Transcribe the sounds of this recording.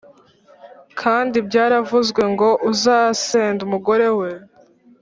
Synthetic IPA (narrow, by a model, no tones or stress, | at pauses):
kʰaːndibɟaːɾavuzɡwe̞ŋɡo̞ʔuzaːseːndumuɡo̞ɾe̞we̞